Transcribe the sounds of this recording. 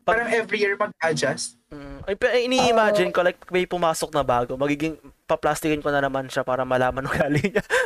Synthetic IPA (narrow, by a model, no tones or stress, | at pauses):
paːɾɐŋʔɛvɾijiɹmɐɡ̚ʔaːd͡ʒɐs̩ | ʔɐjpɛʔɐʔɪniʔɪmad͡ʒɪnkolajk̚mɐjpʊmaːsok̚nɐbaːɡo̞mɐɡiːɡɪŋpɐplaːst̪ɪkɪnkonɐnɐmanʃɐapaːɾɐmɐlaːmɐnʊŋɡaːlɪŋɲɐ